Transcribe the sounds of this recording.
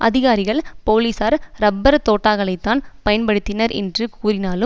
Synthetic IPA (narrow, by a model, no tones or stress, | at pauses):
ʔɐðɪɣaːɾɪɣɐɭpoːliːsaːɾɾɐbːɐɾt̪oːʈːaːɣɐɭɐɪt̪ːaːnpɐjɐnpɐɽɯt̪ːɪnɐɾʔɛ̰ndrɯkuːrɪnaːlɯ